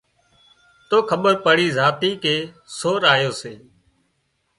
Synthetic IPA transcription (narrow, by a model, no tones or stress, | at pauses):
t̪oːkʰəɓəɾpəɽiːzaːt̪iːkeː | soːɾaːjoːseː